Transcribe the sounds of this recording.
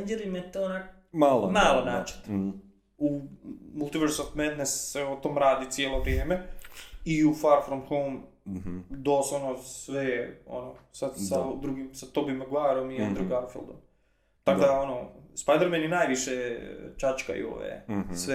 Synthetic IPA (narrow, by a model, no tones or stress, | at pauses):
nd͡ʒeɾimajet̪oonak | malomalˠonaːt͡ʃe̥t̪ | umulˠt̪iʋeɾsot̪med̪nesːeot̪oːmɾaːd̪it̪sjeːlˠoʋɾjeːme | iufaɾfɾonxolm | d̪oːsonosʋeo̰nosasad̪ɾuɡimsat̪obimeɡuaːɾomiand̪ɾeɡaɾfḭld̪om | t̪akod̪aonospajd̪eɾmeninaːjʋiʃet͡ʃat͡ʃka̰ḭo̰ːʋḛsʋe